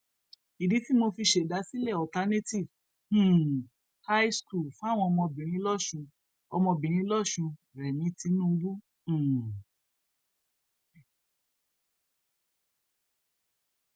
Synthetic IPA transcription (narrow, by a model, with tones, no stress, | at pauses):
i˨di˨˦ti˦mo˧fi˧ʃe˨da˨˦si˦lɛ˦˨ɔ˨ta˨˦ne˦ti˦˨ṽ̩˦˨ | ha˦i˦sku˦˨lfu˦a˦˨w̃ɔ̃˧ɔ˧mɔ̃˧bĩ˨ɾ̃ĩ˧˦lɔ˦˨ʃũ˧ | ɔ˧mɔ̃˧bĩ˨ɾ̃ĩ˧˦lɔ˦˨ʃũ˧ɾɛ˨nĩ˨˦ti˧˦nũ˦˧wũ˦˨